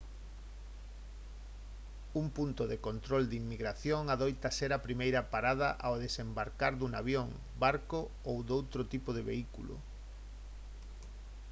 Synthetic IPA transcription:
umpunt̪oðekont̪ɾold̪imːiɣɾaθjoŋaðojt̪ɐseɾapɾimejɾɐpaɾað̞ɐ̰ʔaoðesembaɾkaɾðuŋaβjoŋ | baɾko | owd̪owt̪ɾot̪ipoðeβeikṵlʊ̰

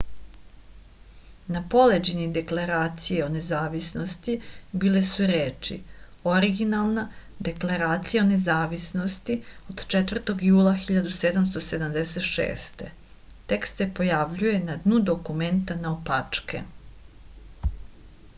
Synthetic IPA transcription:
napo̞led͡ʑenid̪e̞klˠaɾaːt̪sijeo̞ne̞zaːʋisno̞st̪ibiːle̞suɾeːt͡ʃḭ | oɾiɡinalˠnad̪e̞klaɾaːt̪sijaone̞zaːʋisno̞st̪io̞d̪̥t͡ʃet̪vr̩t̪o̞ɡjuːlˠaxiʎad̪use̞d̪amst̪o̞se̞d̪amd̪eset̪ʃḛːst̪e̞̰ | t̪e̞kst̪se̞po̞jaʋʎuje̞nad̪nud̪o̞kume̞nt̪anaopat͡ʂkḛ

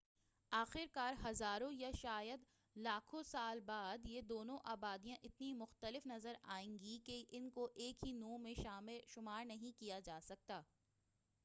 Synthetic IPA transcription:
aːxɪɾkaːɾɦɐzaːɾõjaʃaːjəd̪ | laːkʰõsaːlbaːd̪jed̪oːnõʔaːbaːd̪ijãʔɪt̪nimʊxt̪əlɪfnɐzəɾaːẽːŋɡikeʔɪnkoʔeːkɦinõːmẽʃaːmɪlʃʊmaːɾnɐɦĩkijad͡ʒaːsɐk̚t̪aː

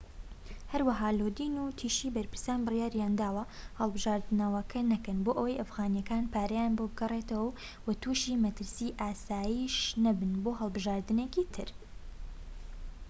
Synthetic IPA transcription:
hɐɾwɐɦaːloːd̪inut̪ʰiːʃiːbɐɾpɨɾsaːnbɨrjaːɾjaːnd̪aːwɐhɐlˠbɨʒaːɾd̪ɨnɐwɐkʰɐnɐkɐnboːʔɐwɐjʔɐfɣaːnjɐkaːnpʰaːɾɐjanbobɨɡɐret̪ɐwɐw | wɐt̪ʰuːʃiːmɐt̪ɨɾsiʔaːsaːjiːʃnɐbɨnboːɦɐlˠbɨʒaːɾd̪ɨneːkiːt̪ʰɨ̰ɾ

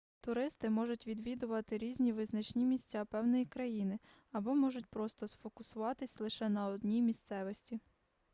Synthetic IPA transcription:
t̪ʊɾɪst̪ɪmɔʒʊtʲʋʲid̪ʋʲid̪ʊʋɐt̪ɪɾʲizʲnʲiʋɪznɐt͡ʃnʲimʲisʲt͡sʲapɛwnɔjikɾɐjinɪ | ɐbɔmɔʒʊtʲpɾɔst̪ɔsfɔkʊsʊʋɑt̪ɪsʲlˠɪʃɛnɐɔd̪nʲijmʲist̪sɛʋɔsʲtʲi

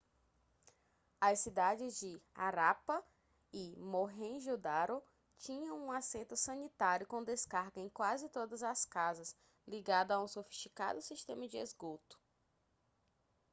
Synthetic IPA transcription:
ɐsid̪ad͡ʒɪzd͡ʒɪaɾapɐ | imoɦẽʒud̪aɾo | t͡ʃĩɲɐ̃w̃ũasẽnt̪ʊsɐ̃nit̪aɾjʊkõd̪eskaɾɡɐẽj̃kwazɪt̪od̪ɐzɐskazɐs | liɡad̪ʊaũsofi̥ʃt͡ʃika̰d̪ʊsiʃt̪ẽmɐd͡ʒɪezɡot̪ʊ̥

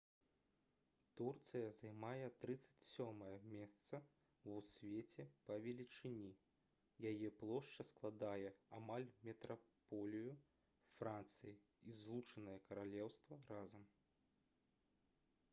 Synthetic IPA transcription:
t̪urt̪sɨjɐzajmajɛt̪ɾɨt̪sɐ̥t͡sʲsʲɔmɐjɐmʲɛst̪sɐ | usʲvʲɛt͡sʲɛpɐvʲɛlʲit͡ʂɨnʲi | jajɛplˠɔʂt͡ʂɐsklˠad̪ajɛamalʲmʲɛt̪ɾapɔlʲiju | fɾant̪sɨji | izlˠut͡ʂɐnɐjɐkɐɾalʲɛwst̪vɐɾazɐm

